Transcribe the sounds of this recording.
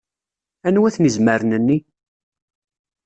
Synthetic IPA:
ænwæθnizməɾnənːi

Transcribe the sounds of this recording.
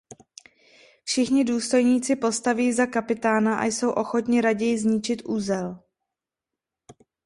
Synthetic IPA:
fʃɪxɲɪduːst̪o̞jɲiːt͡sɪpo̞st̪aviːzakapɪt̪aːnaʔa̰jso̞wʔo̞xo̞t̪ɲɪɾaɟɛjɪzɲɪt͡ʃɪt̪ʔuːzɛl

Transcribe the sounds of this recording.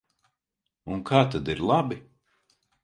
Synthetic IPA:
unkʰaːt̪ad̪iɾlˠabi

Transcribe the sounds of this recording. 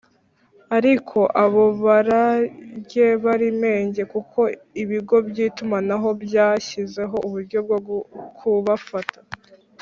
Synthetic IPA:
aɾikʰo̞ʔaβoβaɾajɟe̞βaɾime̞ːɲɟe̞kukʰo̞ | iβiɡo̞bjiːtumanaɦo̞bjaːçize̞ɦo̞ʔuβuɾɟo̞b̚ɡokʰuβafatḁ

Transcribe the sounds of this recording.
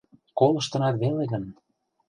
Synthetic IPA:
kolɤ̆ʃt̪ɤ̆nɑt̪βeleɣə̆n

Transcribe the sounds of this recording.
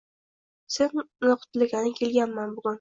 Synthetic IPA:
se̞nːoqʰʊ̥t̪lɪɡʲanɪkʲʰe̞lɡʲanmanbʊɡʲʊn

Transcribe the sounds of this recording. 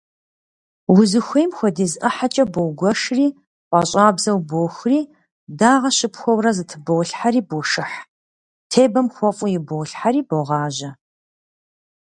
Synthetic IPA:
wʊzɨxʷejmxʷɔdiːzɐħat͡ʃʼɐboɡʷɔʂriː | qʷɑːɕʼaːbzɐwboːxriː | daːʁɐɕɪpxʷɔwrɐzɨtʰɨboːwɬħaɾiːboːʂɨħ | tʰeːbɐmxʷɔfʼʊjɪboːɬħaɾiːboʁɑːʒɐ

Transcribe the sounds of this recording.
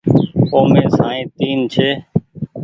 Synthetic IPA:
oːmẽːsaːĩːt̪iːnt͡ʃʰeː

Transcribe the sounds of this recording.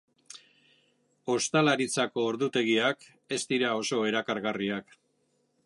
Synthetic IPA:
o̞st̪alaɾit͡sako̞ːɾðut̪e̞ɣiak | e̞st̪iɾao̞so̞e̞ɾakaɾɣariak

